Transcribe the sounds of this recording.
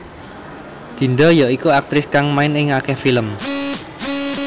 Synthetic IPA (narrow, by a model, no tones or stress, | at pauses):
d̪̥i̤nd̪ɔjaʔikuak̚t̪ɾɪskaŋmaɪnɪŋakɛhfiləm